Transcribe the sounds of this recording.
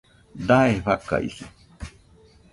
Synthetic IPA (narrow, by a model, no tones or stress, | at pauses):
d̪aeɸaka̰isi̥